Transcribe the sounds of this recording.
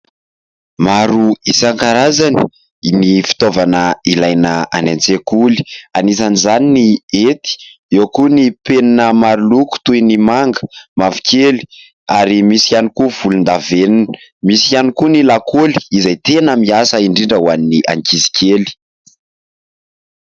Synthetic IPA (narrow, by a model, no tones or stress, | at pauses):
maɾuisaŋkaɾazani̥ | nifi̥t̪ovanəilajnəa̰nent͡sekuli̥anis̬anizaniniet̪i̥ | ewkunipeninəmaɾuluku̥t̪ujnimaŋɡəmavi̥kʰʲeli̥ | aɾimisianikuv̥ulund̪aveninmisianikunilakoli̥izajt̪enəmiasəiɳɖ͡ʐiɳɖ͡ʐəuaniniʔa̰ŋkizi̥kʰeli̥